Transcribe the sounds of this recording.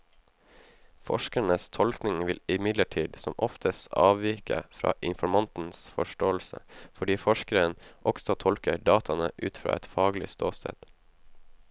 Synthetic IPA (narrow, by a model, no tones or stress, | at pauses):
fɔ̰ʃkəɳəst̪ʰɔlknɪŋʋɪlɪmɪd̪ləʈʰiːd̪sɔmʔɔft̪ʰəsɑːʋʋiːkə̰fɾɑ̰ːʔɪnfɔɾmɑnt̪n̩sfɔʃʈoːl̩sə̰fɔɖiːfɔʃkəɾənʔɔɡ̥sɔt̪ʰɔlkəɖɑːt̪ʰɑnəʔʉ̰ːt̪fɾɑ̰ːɛt̪fɑːɡlɪ̰st̪oːst̪ʰḛːd̪̥